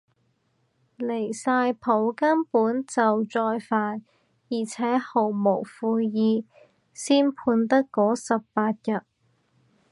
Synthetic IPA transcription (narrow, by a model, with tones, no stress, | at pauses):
le˨˩jsaː˧jpʰo˨˥wkɐ˥npuː˨˥nt͡sɐ˨wt͡sɔː˧jfaː˨n | jiː˨˩t͡sʰɛː˨˥ho˨˩wmo˨˩wfuː˧jiː˧ | siː˥npʰuː˧nt̪̬ɐ˥kkːɔː˨˥sɐ˨ppaː˧t̚jɐ˨t̚